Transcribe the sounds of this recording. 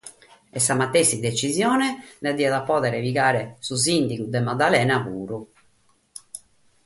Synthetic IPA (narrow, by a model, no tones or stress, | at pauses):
ɛsːamat̪ːesid̪et͡ʃizjɔːnɛlɛad̪ːiaðapːɔːðɛɾɛviɣaːɾɛsuzind̪iɣud̪ɛmad̪alɛːnaɣuːɾu